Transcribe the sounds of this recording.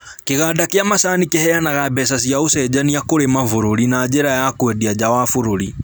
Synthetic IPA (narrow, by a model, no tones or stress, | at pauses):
keɣadakeamasanikehɛjanaɣabɛsasjausɛd͡ʒaniakoɾemavuɾoɾinaːd͡ʒɛɾajakwɛdiad͡ʒawafuɾoɾi